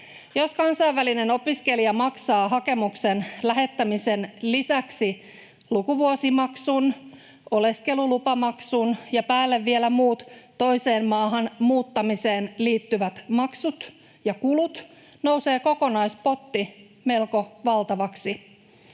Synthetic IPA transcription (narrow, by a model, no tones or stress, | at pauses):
jo̞skɑnsɑiʋʋæline̞no̞piske̞liɑmɑksɑːɦɑke̞muksenlæɦe̞t̪ːæmise̞nlisæksi | lukuʋuosimɑksun | ʔo̞le̞ske̞lulupɑmɑksunjɑpæːlːeʋːie̞læmuːt̪ːo̞jse̞ːmmɑːɦɑnmuːt̪ːɑmise̞ːnliːt̪ːyʋæt̪mɑksut̪ | jɑkulut̪ | no̞wse̞ːko̞ko̞nɑjspo̞t̪ːi | me̞lko̞ʋɑlt̪ɑʋɑksi